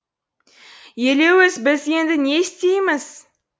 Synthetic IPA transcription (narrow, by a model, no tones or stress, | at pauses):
je̞le̞wɪzbɪze̞nd̪ɪnest̪e̞jmɪz̥